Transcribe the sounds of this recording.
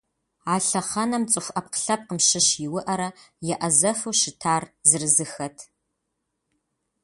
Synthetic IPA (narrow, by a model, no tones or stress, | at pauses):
aːɬɐχɐnɐmt͡sʼɨfʷʔɐp̚qə̥ɬɐp̚qəmʃɪɕjɪwʊʔɐɾɐ | jɛʔɐzɐfuwʃɪtʰaːrzɨrɨzɨxɐtʰ